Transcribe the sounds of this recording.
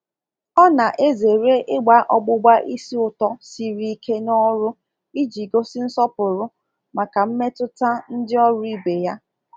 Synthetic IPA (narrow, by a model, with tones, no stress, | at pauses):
ɔ˦na˨ʔe˦ze˨ɾe˦ʔɪ˦ɡ͡ba˨˦ʔɔ˦ɡ͡bʊ˦ɡ͡ba˦ʔi˦si˦ʊ˨tɔ˦si˨ɾi˦i˦kʰe˦nɔ˦ɾʊ˦ | i˦d͡ʒi˨ɡo˦sɪ˦n̩˦sɔ˦pʊ˨ɾʊ˦ | ma˨ka˨m̩˦me˦tʊ˦ta˦n̩˦dɪ˦ɔ˦ɾʊ˦i˦be˨ja˦